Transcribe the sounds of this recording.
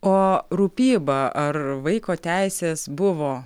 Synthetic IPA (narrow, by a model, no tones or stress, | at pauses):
oːɾupʲiːbɐɐrʋɐɪkoːt̪ʲæɪsʲeːsbʊʋoː